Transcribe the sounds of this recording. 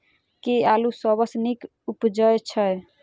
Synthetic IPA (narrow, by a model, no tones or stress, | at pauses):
kealusəbəsnik | upd͡ʒəjt͡ʃʰəj